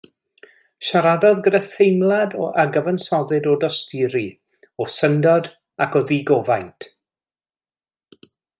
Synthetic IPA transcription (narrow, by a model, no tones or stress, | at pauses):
ʃaɾadɔðɡəɾəθejmlˠadɔ̰ʔaɡəvənsɔðɨdodɔstɪɾi | ɔsəndɔd | akɔðiɡɔvajntʰ